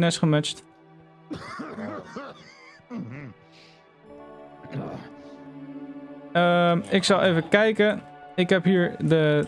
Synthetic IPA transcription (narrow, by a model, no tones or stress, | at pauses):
nɛsχəmɛt͡ʃt | əmɪksɑlˠejvəkɛjkəɪkɦɛpɦiːɹdə